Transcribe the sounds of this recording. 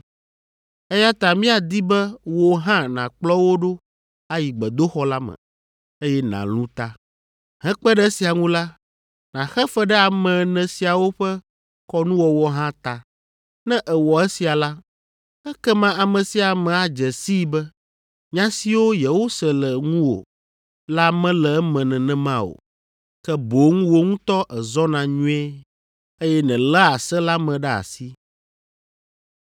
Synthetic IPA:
ɛ˦ja˦t̪a˨mĩ˦a˨d̪i˦bɛ˦wɔ˨ɦã˦nã̰˨k͡plɔ˦wo˦ɖo˦ | a˦ji˨ɡ͡bɛ˨d̪o˦xɔ˦la˦mɛ̰̃˨ | e˦jɛ˦nã̰˨lũ˦t̪a˦ | hɛ̃˦k͡pɛ˦ɖɛ˦si˨a˨ŋũ˦la˦ | nã˨xɛ˦fɛ˦ɖɛ˦a˨mɛ̃˨nɛ̃˨si˨a˨wo˦ɸɛ˦ | kɔ˦nũ˦wɔ˨wɔ˨ɦã˦t̪a˨ | nɛ̃˦ʔɛ˨wɔ˨ɛ˦si˨a˨la˦ | ɛ˦kɛ˦mã˦a˨mɛ̃˨si˨a˨mɛ̃˨a˨d͡ʒɛ˨si˦bɛ˦ | ɲã˦si˨wo˦je˨wo˦sɛ˨lɛ˨ŋũ˦wo̰˨ | la˦mɛ̃˦lɛ˨˦mɛ̃˨nɛ̃˨nɛ̃˦mã˦o̰˨ | kɛ˦bo˨˦ŋũ˦wo˦ŋũ˦t̪ɔ˦ʔɛ˨zɔ˦nã˨ɲũ˦ɛ˦ | e˦jɛ˦nɛ̃˨lɛ˦a˨sɛ˦la˦mɛ̃˨ɖɛ˦a̰˨si˦

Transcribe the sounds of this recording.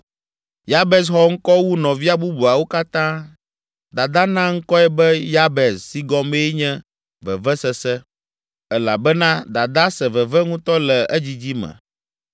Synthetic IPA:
ja˦bɛ˨s̬xɔ˨ŋ̩˦kɔ˦wu˦nɔ̃˨vi˦a˦bu˦bu˨a˨wo˦ka˦t̪ã˦ | d̪a˨d̪a˦nã˦ŋ̩˦kɔ˦ɛ˦bɛ˦ja˦bɛ˨ssi˦ɡɔ̃˦me˦ɲɛ̃˦ | vɛ˨vɛ˦sɛ˦sɛ˦ | ɛ˨la̰˨bɛ˦nã˦d̪a˨d̪a˦sɛ˨vɛ˨vɛ˦ŋũ˦t̪ɔ˦lɛ˨ɛ˦d͡ʑi˦d͡ʑi˦mɛ̰̃˨

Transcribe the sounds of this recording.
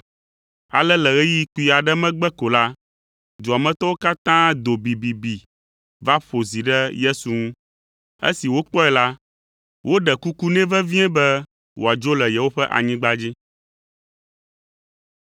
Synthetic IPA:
a̰˨lɛ˦lɛ˨ɣɛ˦ji˦ku˨i˨a˨ɖɛ˦mɛ̃˦ɡ͡bɛ˦ko˨la˦ | d̪u˨a˨mɛ̃˦t̪ɔ˦wo˦ka˦t̪ã˦d̪o˨bi˨bi˨bi˨ | va˦ɸo˨zi˨ɖɛ˦je˦su˨ŋũ˦ | ḛ˦si˨wo˦k͡pɔ˦ɛ˨la˦ | wʔo˦ɖɛ˨ku˦ku˦nɛ̃˦vɛ˦vĩ˦ɛ̃˦bɛ˦ | wo˨a˨d͡ʒo˦lɛ˨jɛ˨wo˦ɸɛ˦ʔa̰˨ɲĩ˦ɡ͡ba˦d͡ʑi˦

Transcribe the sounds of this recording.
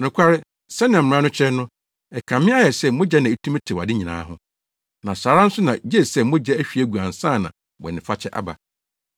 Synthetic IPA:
nʊ̃˨kʷʰa˦ɾɪ˦ | sɛ˦nɪ̃˨m̃˨˦ã˦nʊ̃˦t͡ɕʰɛ˦nʊ̃˦ | ɛ˨kʰã˨mɪ̃˦a˦jɛ˨sɛ˦mʊ̃˦d͡ʑɛ˦nã˨e˦tʰũ˦m˦tʰɪ˨wa̰˨dɪ˦ɲĩ˨nã̰ː˨˦ɦʊ̃˦ | nã˨saː˨ɾã˦n̩˦sʊ˦nã˨d͡ʑɛ˦˨sɛ˦˨mʊ̃˦d͡ʑɛ˦æ˦ɕᶣi˨æ˦ɡu˨ã˨n̩˨sãː˦˨nã̰˨ | wɔ̰˨nɪ̃˨fa˦t͡ɕʰɛ˦ʔa̰˦ba̰˨

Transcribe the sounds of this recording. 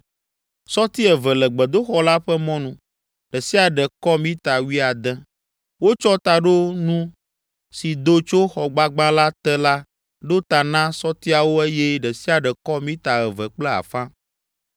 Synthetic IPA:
sɔ˦t̪i˦ɛ˨vɛ˨lɛ˨ɡ͡bɛ˨d̪o˦xɔ˦la˦ɸɛ˦mɔ̃˦nũ˨ | ɖɛ˨si˦a˨ɖɛ˨kɔ˦mĩ˦t̪a˨wi˦a˨d̪ɛ̃˦ | wo˦t͡ʃɔ˦t̪a˨ɖo˦nũ˦ | si˨d̪o˦t͡ʃo˦xɔ˨ɡ͡ba˦ɡ͡bã˦la˦t̪ɛ˦la˦ | ɖo˦t̪a˨nã˦sɔ˦t̪i˦a˨wo˦e˦jɛ˦ɖɛ˨si˦a˨ɖɛ˨kɔ˦mĩ˦t̪a˨ɛ˨vɛ˨k͡plɛ˦a̰˨fã˦

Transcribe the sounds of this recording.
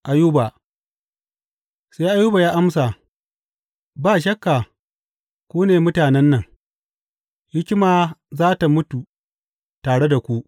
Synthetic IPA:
ʔa˨ju˦ba˨ | sa˦ʔa˦juː˦ba˨jaː˦ʔa˦msa˨ | baː˦ʃɐ˦kːa˨ | kʷuː˦neː˨mʊ˦taː˨nɛ˦nːɐ˨ŋ | hɪ˦kʲɪ˦maː˨zaː˦ta˨mʊ˦tu˨ | taː˨ɽe˦da˨kʷu˦ʔ

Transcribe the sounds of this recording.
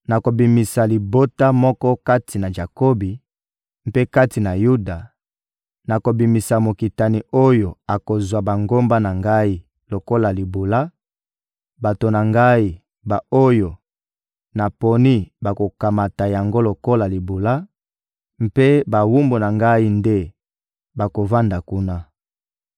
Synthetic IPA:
na˨ko˨bi˨mi˨sa˨li˨bo˦ta˦mɔ˦kɔ˦ka˦tʰi˨na˨ʒa˨ko˦bi˨ | mpe˦ka˦ti˨na˨ju˦da˨ | na˨ko˨bi˨mi˨sa˨mo˨ki˨ta˨ni˨o˦jo˨a˨ko˨zwa˨ba˨ŋɡo˦mba˦na˨ŋɡa˦i˦ | lo˨ko˦la˨li˨bo˨la˦ | ba˨to˨na˨ŋɡa˦i˦ | ba˨o˦jo˨ | na˨po˨ni˦ba˨ko˨ka˨ma˨ta˨ja˨ŋɡo˦lo˨ko˦la˨li˨bo˨la˦ | m˦pe˦ba˨wu˦mbo˨na˨ŋɡa˦i˦nde˦ | ba˨ko˨va˦nda˨ku˦na˦

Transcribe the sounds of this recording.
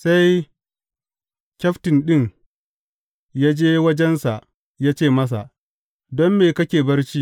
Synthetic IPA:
sa˦j | kʲɐ˦ɸtɪ˨nɗɪ˦˨ŋ | ja˦d͡ʒeː˦wɐ˦d͡ʒɛ˦nsa˨ʔ | jaː˦t͡ʃeː˦˨mɐ˦s̬a˨ʔ | dɔ˦mːeː˨kɐ˦kʲeː˨bɐ˦rt͡ʃiː˦

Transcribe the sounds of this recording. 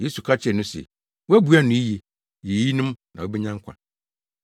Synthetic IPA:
je˦su˨kʰa˦t͡ɕʰɛ˨nʊ̃˦sɛ̰˨ | wæ˦bu˨˦a˦nʊ̃˦i˦je˨ | je˨ji˦nʊ̃˦mnã˨o˦bɛ˦ɲã˦ŋ̩˦kʰʷã̰˨

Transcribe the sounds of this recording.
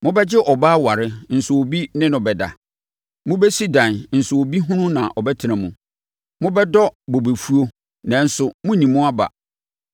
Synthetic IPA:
mʊ̃˦bɛ˦d͡ʑɪ˦ʔɔ˨baː˦wa˨ɾɪ˦n̩˨sʊ˨o˨bi˦nɪ̃˦nʊ̃˨bɛ˨da̰˨ | mʊ̃˦bɛ˦si˦dã˨nn̩˨sʊ˨o˨bi˦ɦʊ̃˦nʊ̃˦nã˨ʔɔ˨bɛ˦tʰɪ˨˦ã˨mũ˨ | mʊ̃˦bɛ˦dɔ˦bɔ˨be˨fu˦o˦ | nã˨n̩˦sʊ˨mʊ̃˦ɲĩ˨mʊ̃˦a˦ba̰˨

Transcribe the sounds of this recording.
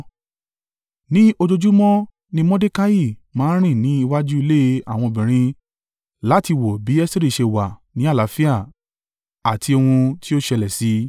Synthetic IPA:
nĩ˦o˧d͡ʒo˧d͡ʒu˦mɔ̃˦ | nĩ˧mɔ̃˦de˦ka˦ji˦˨mãː˦ɾ̃ĩ˦˨nĩ˨˦i˧wa˦d͡ʒu˦i˧le˦˧˦a˦˨w̃ɔ̃˧o˧bĩ˨ɾ̃ĩ˧ | la˨˦ti˧wo˨bi˨˦ɛ˦si˦ɾi˦˨ʃe˧wa˨nĩ˨˦a˦˨la˨˦fi˦a˦˨ | a˨tʰi˧o˧hũ˧ti˦o˦ʃɛ˧lɛ˨si˨˦

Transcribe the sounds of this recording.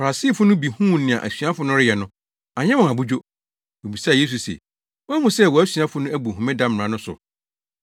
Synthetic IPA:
fa˨ɾa˨si˦˨fʊ˦nʊ̃˦bi˨hũ˦˨nɪ̃˨ã̰˨ʔæ˨sɥa˦fʊ˦nʊ̃˦ɾɪ˦jɛ˨nʊ̃˦ | a˨ɲɛ̃˦wɔ̃˨a˨bu˦d͡ʑo˦ | o˨bi˨sa˦˨je˦s̬u˨sḛ˨ | wɔ˦a˦mũ˨sɛ˦˨wɔ˨æ˦sɥa˦fʊ˦nʊ̃˦æ˦bu˨ɦũ˨mɛ̃˦dã˦m˨ã˨nʊ̃˦sʊ̰˨

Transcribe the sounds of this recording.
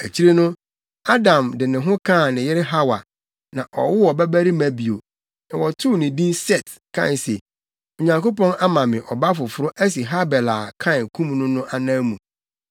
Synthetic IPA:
æ˨t͡ɕʰi˦ɾe˦nʊ̃˦ | a˦dã˨mdɪ˨nɪ̃˨ɦʊ̃˦kʰã˦˨nɪ̃˨jɪ˦ɾɪ˦ɦa˦wa˨ | nã˨ʔɔ̰˨wʊ˦wɔ˨bæ˦bæ˦ɾi˦mæ̃˨bi˨o˨ | nã˨wɔ˨tʰʊ˦˨nɪ̃˨dĩ˦sɛ˦˨t | kʰã̰˦˨n˨se˨ | o˨ɲã˨ŋko˦pɔ̃˦na˦mã˨mɪ̃˨ʔɔ˨ba˦fʊ˨fʊ˦ɾʊ˦ʔæ˦s̬i˨ɦa˦bɛ˨la˨kʰã˦˨nkʰũ˦m˦nʊ̃˦nʊ̃˦ʔa˨nã˦mũ˨

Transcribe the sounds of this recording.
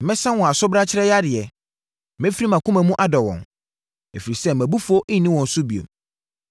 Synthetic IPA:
mɪ̃˦sã˦wɔ̃˨a˨sʊ˦bɾa˦t͡ɕʰɪ˦ɾɛ˦ja˦dɪ˨ɛ˨˦ | mɪ̃˦fi˦i˦mã˨kʰʊ̃˦mæ̃˨mũ˦ʔa˦dɔ˨wɔ̰̃˨n | e˨fi˨ɾi˨sɛ˦mæ̃˨bu˦fo˦ʔnĩ˦wɔ̃˨n˨sʊ˦bi˨o̰˨

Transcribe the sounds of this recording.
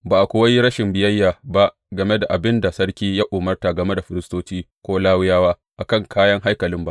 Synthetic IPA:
baː˨ʔa˨kʷʊ˦wɐ˦ji˦ɾɐ˦ʃɪ˨mbɪ˨jɐ˦jːaː˨ba˦ʔ | ɡɐ˨me˦da˨ʔa˨bɪ˦nda˨sɐ˦rkʲiː˦jaː˦ʔʊː˨mɐ˦rta˨ɡɐ˨me˦da˨ɸɪ˨ɾɪ˦stoː˦t͡ʃiː˦ | kʷoː˦laː˦wʊ˦jaː˦waː˦ | ʔa˨kɐ˦˨ŋkʰaː˦jɐ˦ŋɦa˦jkɐ˨lɪ˦mba˦

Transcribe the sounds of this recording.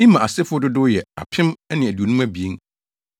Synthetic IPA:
ĩ˦mã˨a˨sɪ˦fʊ˦dʊ˦dʊ˦jɛ˨a̰˨pʰɪ̃˦mɛ˦nɪ̃˨æ˨du˨o˨nũ˦mæ̃˦bi˨e˦n

